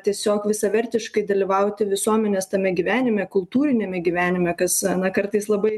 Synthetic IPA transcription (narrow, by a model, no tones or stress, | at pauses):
t̪ʲiɛsʲoːkʋʲɪsɐʋʲɛɾʲt̪ʲɪʃkɐɪd̪ɐlʲiʋɐʊt̪ʲɪʋʲɪsuɔmʲɛnʲɛːst̪ɐmʲɛɡʲiʋʲæːnʲɪmʲɛkʊlˠt̪uːɾʲɪnʲɛmʲɛɡʲiːʋʲæːnʲɪmʲɛkɐsɐnɐkɐɾt̪ɐɪslˠɐbɐɪ